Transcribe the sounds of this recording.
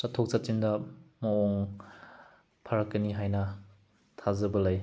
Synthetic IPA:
satʰːok̚sat̚t͡ʃindɐmɐɔŋ | pʰaɾɐkːɐniɦajnɐ | tʰazɐbɐlaj

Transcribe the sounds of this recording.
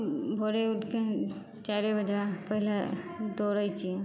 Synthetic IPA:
bʱoɾeuʈkẽ | t͡ʃaɾebəd͡ʒapəɦila | d̪oɾajt͡ʃʰie

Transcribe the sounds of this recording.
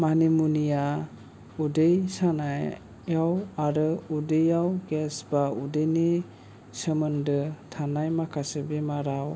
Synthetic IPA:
manimunija | udejsanaj | jawaɾɯudɯjawɡesbaudɯjne | səmɯndɯtʰanajmakʰasɯbemaɾaw

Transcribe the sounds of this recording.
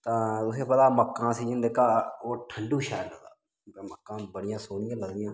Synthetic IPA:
t̪aʊsẽpət̪aːməkːãːsiːd͡ʒə̃nd̪eːkʰaːoːʈʰəɳɖuːʃaːləd̪aː | məkːãːbəɽɪjãːsoːɽɪjãːləɡnɪjãː

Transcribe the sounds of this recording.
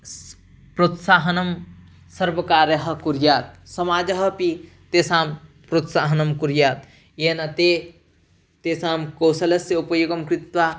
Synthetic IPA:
pɾoːt̪saːɦɐnɐm | sɐɾʋɐkaːɾjɐɦɐ̆kuɾjaːt̪̚sɐmaːd͡ʒɐɦɐpi | t̪eːsaːmpɾot̪saːɦɐnɐmkuɾjaːt̪ | jeːnɐt̪e | t̪eːsaːmkoːsɐlɐsjɐupɐjoɡɐmkɾɪt̪ʋaː

